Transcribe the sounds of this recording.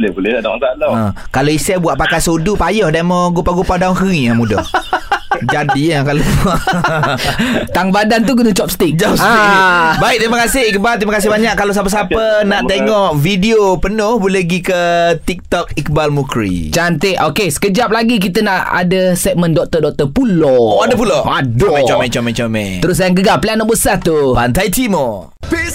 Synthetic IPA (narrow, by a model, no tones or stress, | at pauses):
lɛbolɛadatalãkaloisɛbuaʔpakajsodupajɔhdamɔɡupaɡupadaŋkəŋiamudɔ̰h | d͡ʒadiakalo | t̪aŋbadant̪uɡənət͡ʃɔp̚st̪ikd͡ʒasãbaik̚t̪iməkasɪhik̚balt̪iməkas̬ɪhbaɲaʔkːalas̬apəs̬apənaʔt̪eŋɔʔfidiopənohbulɛhɡikət̪ik̚t̪ɔkik̚balmukɾḭt͡ʃant̪ɪʔʔokesə̥kəd͡ʒap̚laɡik̬it̪ənaʔa̰dəsɛk̚mə̃ndɔk̚t̪ədɔk̚t̪əpulooadəp̬uloadomɛ̃t͡ʃɔmɛ̃t͡ʃɔmɛt͡ʃomɛ̰t̪əɾʊsajaŋɡəɡaplianaʔbəsat̪upant̪ajt̪ʰimo